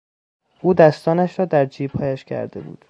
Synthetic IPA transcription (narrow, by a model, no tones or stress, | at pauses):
ʔuːd̪æst̪ɒːnæʃɾɒːd̪æɾd͡ʒiːb̥hɒːjæʃcʰæ̰ɾd̪e̞bṵːd̪̥